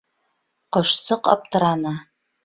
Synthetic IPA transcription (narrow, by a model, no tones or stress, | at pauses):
qɤ̆ʃsɤqɑ̰p̚t̪ɤ̆ɾɑna